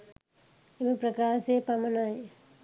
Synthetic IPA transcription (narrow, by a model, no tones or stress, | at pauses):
emepɾɐkaːʃepɐmɐnaj